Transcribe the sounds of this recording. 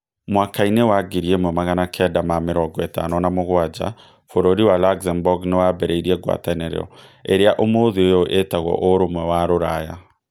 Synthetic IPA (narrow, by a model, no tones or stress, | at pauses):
mwakainewaɡeɾiemwɛmaɣanakʰɛdamameɾɔɡɔeta̰nɔnamoɣwad͡ʑa̰ | foɾoɾiwalaɡzambɔɡnewabɛɾeiɾiɛɡwa̰tanɛɾɛ̰ɾɔ̰eɾeaʔomoðeojoʔetaɣwɔ̰ʔoɾomwɛwaɾoɾaja